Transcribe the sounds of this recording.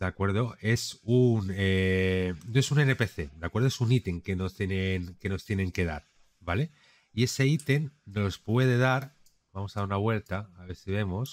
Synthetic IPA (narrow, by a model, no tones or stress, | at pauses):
d̪̥akwe̞ɾð̞o̞e̞sune | noesunene̞pe̞θe̞d̪akwe̞ɾðoesunit̪e̞ŋke̞no̞st̪jenenke̞no̞st̪je̞nẽ̞ŋke̞ða̰ɾ | bale̞ | ie̞se̞it̪e̞nːo̞spwe̞ð̞e̞ð̞aɾ | bamosaðaɾunaβ̞we̞lt̪aaβe̞ɾsiβ̞e̞mo̞s